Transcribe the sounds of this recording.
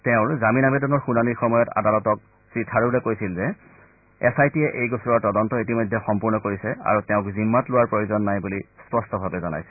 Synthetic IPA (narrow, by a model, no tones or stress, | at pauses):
tɛʊ̃ɹzaminamɛdɔnɔɹxunaniɹxɔmɔjɔta̰dalɔtɔk̚ | sɹitʰaɹulɛkojsilzɛ | ɛsajtiɛʔejɡosɹɔaɹtɔdɔntɔitimɔjdʱːɛxɔmpuɹnɔkoɹisɛa̰ɹutɛʊ̃kzimːatlʊwaɹpɹojozɔnːajbulispɔstɔbʱabɛzɔna̰jsɛ